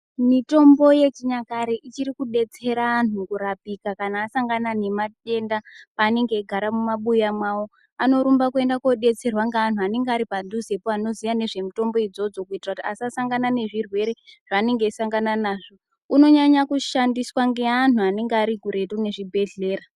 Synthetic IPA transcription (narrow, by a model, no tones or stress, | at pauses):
mito̞mbo̞je̞t͡ʃiɲakaɾeʔit͡ʃiɾikuɗe̞t͡se̞ɾaːnukuɾapikakanaːsaŋɡanane̞mate̞ndapaːne̞ŋɡe̞ːɡʱaɾamumaɓujamwawo̞ | ano̞ɾumbakue̞ndakoɗe̞t͡se̞rwaŋɡean̤uane̞ŋɡaɾipaduze̞poano̞zijane̞ʐe̞mito̞mbo̞id͡zo̞d͡zo̞kuitirakutia̰siasaŋɡanane̞ʐirwe̞ɾe̞ʐ̥aːne̞ŋɡe̞saŋɡananaːʐo̞ | uno̞ɲaɲakuʃandiswaŋɡe̞anuane̞ŋɡeaɾiɡʱuɾe̞rune̞ʐibʱe̞ɮe̞ːra